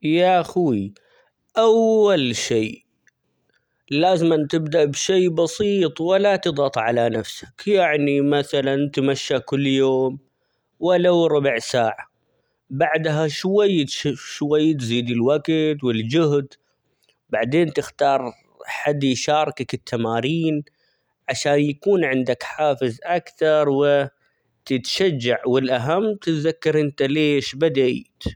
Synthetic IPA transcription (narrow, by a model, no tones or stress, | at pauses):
jaʔxuːi | ʔawːalʃiː | laːzɪmant̪ɪbd̪aʔbʃeːbɑsiːt̪ˤwɪlat̪ɨd̪ˤɑt̪ˤʕalanafsḁkjaʕnimaθalant̪maʃːakʊlːjoːm | walːawɾˤʊbʕsaːʕa | baʕd̪ɦaʃwajːʃwajːt̪ziːd̪ɪlwaɡt̪wɪld͡ʒʊɦd̪ | baʕd̪eːnt̪ɪxt̪ɑːɾˤ | ħad̪ːiʃɑːɾˤkakɪt̪ʰːamaːɾiːn | ʕaʃaːnjakuːnʕɪnd̪akħaːfɪzʔakθɑɾˤwɪ | t̪ɪt̪ʃad͡ʒːaʕwɪlʔaɦamːt̪ɪt̪ðakːɑɾˤʔɪnt̪aleːʃbad̪at̪